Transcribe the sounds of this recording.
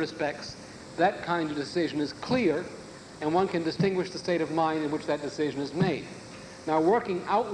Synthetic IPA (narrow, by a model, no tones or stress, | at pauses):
ɨspɛk̚ts | ðɨt̚kʰãɪ̃ndʌvdɨsɪʒɨ̃nɨz̥kʰl̥ɪɹ | ɨ̃nwʌ̃nkɨ̃ndɨstɪ̃ŋɡwɨʃðɨsteɪɾʌvmãɪ̃ndɨ̃nwɨt͡ʃðɨt̚d̥ɨsɪʒɨ̃nɨzmeɪd̚ | naʊwɜ˞kɪ̃ŋaʊt̚